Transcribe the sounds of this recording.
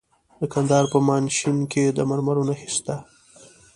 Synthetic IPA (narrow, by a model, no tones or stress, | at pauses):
d̪əkand̪ɑɾpəmɑnʃinked̪əmaɾmaɾunaxɪst̪a